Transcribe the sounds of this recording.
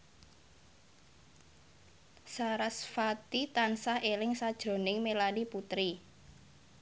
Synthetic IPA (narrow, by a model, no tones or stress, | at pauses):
saɾasfat̪it̪ansahelɪŋsad̥ʒ̥ɾo̤nɪŋmelaniput̪ɾi